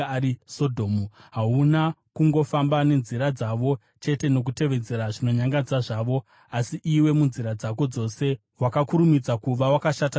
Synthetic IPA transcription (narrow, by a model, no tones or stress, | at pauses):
ɾisodʱomuɦaunakuŋɡo̞fambane̞nziɾad͡zaʋo̞ | t͡ʃe̞te̞no̞k̬ute̞ʋe̞d͡ze̞ɾaʐino̞ɲaŋɡad͡zaʐaːʋo̞ | asiʔiwe̞munziɾad͡zako̞d͡zo̞se̞ | wakakuɾumid͡zakuʋawakaʃata